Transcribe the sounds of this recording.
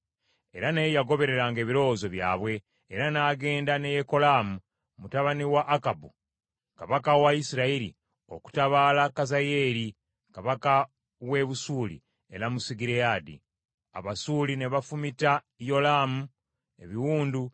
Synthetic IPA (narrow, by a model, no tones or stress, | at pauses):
e̞̰ɾanejaɡo̞βe̞ɾe̞ɾaːŋɡe̞ːβiɾo̞zo̞βja̰ːβwe̞ː | ɾanaːɡe̞ːndane̞jeko̞laːmu | mutaβaniwaʔːkabu | kaβakawaisiɾaiɾḭ | o̞̰ku̥taβaːlakazaje̞ːɾi | kaβaka | we̞βusuːlḭ | e̞̰ɾamusiɡiɾeaːdḭ | a̰βasuːlineβafumita | jo̞laːmu | e̞̰βiwuːndu